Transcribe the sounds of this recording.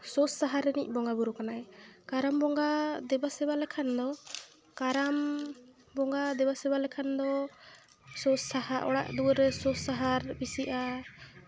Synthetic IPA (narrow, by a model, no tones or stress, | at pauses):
sɔsːaɦaɾɛnic̚ˀbɔŋɡabuɾukanaɛkaɾambɔŋɡad̪ɛbasɛbalɛkʰand̪ɔ | kaɾam | bɔŋɡad̪ɛbasɛbalɛkʰand̪ɔ | sɔsahaʔɔ̰ɽa̰ʔd̪uɾɛsɔsaɦaɾbisiʔa